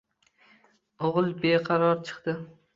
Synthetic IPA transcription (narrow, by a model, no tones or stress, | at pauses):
oʁɨlˠbeqʰɑɾɒɾt͡ʃʰɨ̥qt̪ɪ